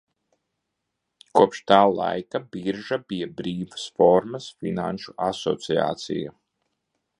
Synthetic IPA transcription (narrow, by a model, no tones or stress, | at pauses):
kuɔpʃt̪aːlˠa̰jkabiɾʒabijabɾiːvasfɔɾmasfina̰nʃuasɔ̰t̪sia̰ːt̪sḭja̰